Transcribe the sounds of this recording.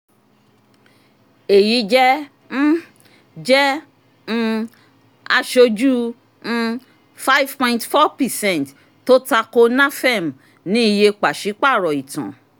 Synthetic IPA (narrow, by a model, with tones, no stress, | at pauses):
e˨ji˨˦d͡ʒɛ˦ | d͡ʒɛ˦ | ñ̩˧ | a˧ʃo˧d͡ʒũ˦˧ | fa˦i˦vpɔ̃˧ĩntfɔ˦pɛ˨sɛ̃˦˨nt | to˦ta˧ko˧˦nã˦fɛ˦˨m˨ | nĩ˨˦i˧je˧k͡pa˨ʃi˨˦k͡pa˦˨ɾɔ˨i˨tã̰˨